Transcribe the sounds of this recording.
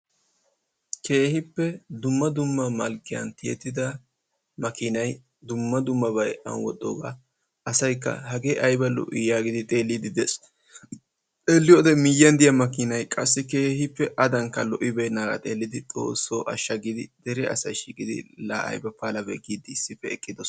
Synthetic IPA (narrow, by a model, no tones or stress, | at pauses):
kʰe̞ːhɪpːɛd̪ʊmːɐd̪ʊmːɐmɐlkːɪjɐ̰nt̪ɪjɛ̰t̪ːɪd̪ɐ | mɐkɪnɐj | d̪ʊmːɐd̪ʊmːɐbɐjʔɐ̰nwɔ̰t̪ʼːo̰ːɡa̰ | ɐsɐjkːɐ̰ɦɐɡeːʔɐjbɐlɔ̰ʔɪjaːɡɪd̪ɪt̪ʼe̞ːlːɪd̪ɪd̪es | t̪ʼeːlːɪjod̪ɛmɪjːɐnd̪ɪjɐmɐkɪnɐjkʼɐsːɪke̞ːhɪpːɛʔɐd̪ɐŋkːɐlɔʔɪbenaːɡɐ̰t̪ʼe̞ːlːɪd̪ɪt͡sʼo̞̰ːsːoʔɐʃːɐɡɪd̪ɪd̪̥ɛɾɛɐ̰sɐjʃiːkʼɪd̪ɪ̰laɐ̰jbɐpaːlɐbɛ̰ɡiːd̪ɪːsːɪfɛːkʼːɪd̪ɔs